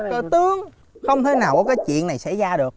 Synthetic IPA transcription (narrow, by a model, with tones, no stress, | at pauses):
kə˧˩t̪ɨ˨˦əŋ | xə˧wŋ͡mt̪ʰe˨˦jnaː˨˩wkɔ˨˦k̬aː˨˦jt͡ɕwḭ˧˨ənːa˨˩jsa̰˧˥˨jzaː˧ɗɨ˨˩ək̚